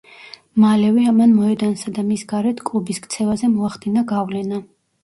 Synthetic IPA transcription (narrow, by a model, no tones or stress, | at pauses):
malɛvɛamanmɔɛd̪ansad̪amisɡaɾɛt̪ʰkʼlˠubiskt̪sʰɛvazɛmɔaχd̪inaɡavlɛna